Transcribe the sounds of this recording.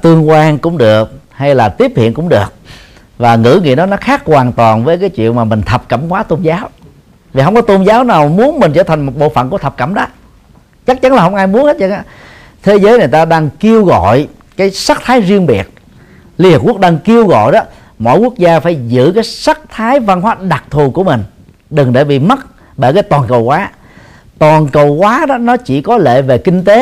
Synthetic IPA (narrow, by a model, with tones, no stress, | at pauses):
t̪ɨ˧əŋkwaː˧nkʊ̰˧˥ŋ͡mɗɨ˨˩ək̚ha˧jlaː˨˩t̪i˦˥əp̚hḭ˧˨nkʊ̰˧˥ŋ͡mɗɨ˨˩ək̚ | vaː˨˩ŋɨ̰˧˥ŋḭ˧˨ɗɔ˨˦nɔ˨˦xaː˦˥k̚kwaː˨˩nt̪waː˨˩nvəː˨˦jk̬aː˨˦jt͡ɕwḭ˧˨ənmaː˨˩mï˨˩ŋ̟t̪ʰə˨˩p̚kə˧˩mkwaː˨˦t̪o˧nzaː˨˦w | vi˨˩ɦə˧wŋ͡mkɔ˨˦t̪o˧mzaː˨˦wnaː˨˩wmu˨˦ənmi˨˩ŋ̟t͡ɕəː˧˩t̪ʰa˨˩ŋmo˨˩t̚ɓo̰˧˨fə̰˧˨nku˧˩ət̪ʰp̚kə̰˧˩mɗa˨˦ | t͡ɕa˦˥k̚t͡ɕa˨˦nlaː˨˩ɦə˧wŋ͡mʔaː˧jmu˨˦ənha˦˥t̚zə˧a˨˧˦ | t̪ʰe˨˦zəː˨˦jŋ˨˩jt̪aː˧ɗaː˧ŋki˧əwɣɔ̰˧˨j | kaː˨˦jsa˦˥k̚t̪ʰaː˨˦jzi˧əŋɓi˨˩ət̚ | li˧hi˨˩p̚ku˦˥k̚ɗaː˧ŋki˧əwɣɔ̰˧˨jɗɔ˨˦ | mɔ̰˧˨jku˦˥ək̚zaː˧faː˧˩jzɨ̰˧˥kaː˨˦jsa˦˥k̚t̪ʰaː˨˦jva˧nɦwaː˨˦˥ɗa˨˩k̚t̪ʰu˨˩ku˧˩əmï˨˩ŋ̟ | ɗɨ˨˩ŋɗe˧˩ɓḭ˧˨mə˦˥t̚ | ɓe˧˩kaː˨˦jt̪waː˨˩nkə˨˩wkwaː˨˦ | t̪waː˨˩nkə˨˩wkwaː˨˦ɗɔ˨˦nɔ˨˦t͡ɕi˧˩kɔ˨˦lḛ˧˨ve˨˩kï˧ŋ̟t̪e˨˦